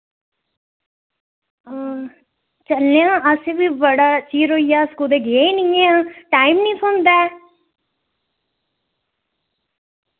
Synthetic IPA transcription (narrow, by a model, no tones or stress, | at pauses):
t͡ʃəlneãːʔəsebiːbəɽaːt͡ʃiːɾoːijaːskuːd̪eːɡeeinĩːeãːʈaːimnĩːsõːnd̪aː